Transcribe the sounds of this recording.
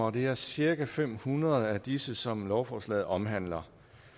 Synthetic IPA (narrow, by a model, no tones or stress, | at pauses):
ɒd̥e̝æɐsiɐɡ̥æfem̰hunʁɐð̩ˠæd̥isəsɒ̽mlɒʊfɒːslɛ̰ð̩ˠɒ̽mɦæn̰lɐ